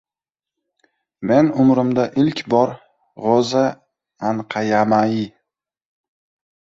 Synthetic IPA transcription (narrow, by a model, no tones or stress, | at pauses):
me̞nʊmɾɪmd̪aʔɪlkʲbɒɾ | ʁɒza | anqʰɑjamajɪ